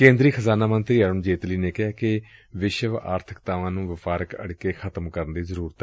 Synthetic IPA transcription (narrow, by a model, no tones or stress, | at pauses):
kẽːnd̪ɾiːxʰəzaːnaːmənt̪ɾiːəɾənd͡ʒeːt̪liːneːkɪɦaːkɪʋɪʃəʋa̰ːɾt̪ʰəkt̪aːʋãːnũːʋɪfaːɾəkə̰ɽkeːxʰət̪əmkəɾənd̪iːzəɾuːɾət̪ɛ